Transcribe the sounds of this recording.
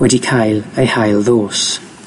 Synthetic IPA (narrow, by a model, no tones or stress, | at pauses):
wɛdikʰajlˠejhajlˠðoːs